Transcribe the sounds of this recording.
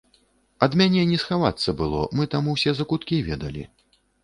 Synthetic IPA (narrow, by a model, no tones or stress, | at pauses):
ɐd̪mʲanʲɛnʲɛsxavat̪sːɐbɨlˠɔ̰mɨt̪amuwsʲɛzɐkut̪kʲivʲɛd̪ɐ̰lʲḭ